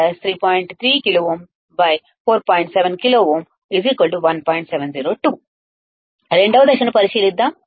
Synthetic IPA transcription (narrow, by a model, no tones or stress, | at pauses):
ɐst̪ʰɾiːpɔːjiɳʈt̪ʰɾiːkiloːoːm | bɐj | fʰoːɾpɔːjɳʈsɛʋɛnkiloːʋoːm | iziːkʋɐlʈ̬uʋɐnpɔːjɳʈsɛʋɛnziːɾoːʈuː | ɾeɳɖɐʋɐd̪ɐkʂɐnɐpɐɾisiːlid̪ːaː